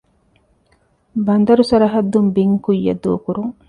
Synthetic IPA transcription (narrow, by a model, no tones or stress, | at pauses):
bɐnd̪ɐɾusɐɾɐɦɐd̪ːumbiŋkujːɐ̰d̪uːkuɾuŋ